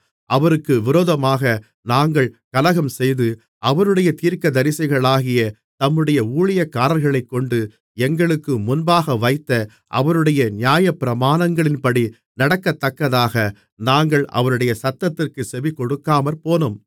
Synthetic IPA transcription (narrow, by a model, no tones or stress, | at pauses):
ʔɐʋɐɾɯkːɯʋɪɾoːðɐmaːɣɐ | naːŋɡɐɭkɐlɐɣɐmsɛjðɯ | ʔɐʋɐɾɯɽɐjɐt̪iːɾkɐd̪ɐɾɪsɐɪɣɐɭaːɣɪjɐ | t̪ɐmːɯɽɐjɐuːɭɪjɐkːaːɾɐlɣɐɭɐɪkːɔɳɖɯ | ɛŋɡɐɭɯkːɯmʊnbaːɣɐʋɐɪt̪ːɐ | ʔɐ̰ʋɐɾɯɽɐjɐnɪjaːjɐpːɪɾɐmaːnɐŋɡɐɭɪnpɐɽi | nɐɽɐkːɐt̪ːɐkːɐðaːɣɐ | naːŋɡɐɭɐ̰ʋɐɾɯɽɐjɐsɐt̪ːɐt̪ːɪrkɯsɛʋikːɔɽɯkːaːmɐɾpoːnɯm